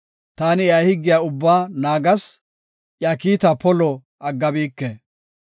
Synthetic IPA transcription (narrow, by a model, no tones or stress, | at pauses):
t̪aːnɪjahɪɡːɪjaʊbːaːnaːɡɐs | ʔjɐkiːt̪ɐpɔlɔ | ʔɐɡːɐbiːkːɛ